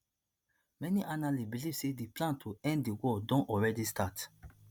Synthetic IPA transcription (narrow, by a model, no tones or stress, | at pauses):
mɛniʔanalibilivsediplãntʰuɛ̃nddiwɔdɔ̃nɔɹɛdistʰat